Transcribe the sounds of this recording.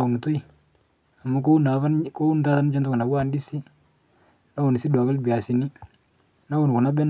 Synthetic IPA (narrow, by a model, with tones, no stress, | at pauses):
u˨ŋ˨tu˦i˨ | a˨ma˨˦ko˦na˨βa˦nko˦u˦nta˦ta˦n˦t͡ʃɛ˦ntʊ˦ku˨na˨ɡa˦ndi˦si˦ | na˦u˨n˨si˦da˨kɪ˦lbi˨a˨si˨ni˦ | na˦u˨n˨ku˨na˦bɛ˦n